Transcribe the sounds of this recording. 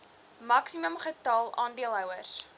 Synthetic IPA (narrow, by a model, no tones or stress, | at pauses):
mɐksiməmχətɑːlˠɑːndiəlˠɦœwərs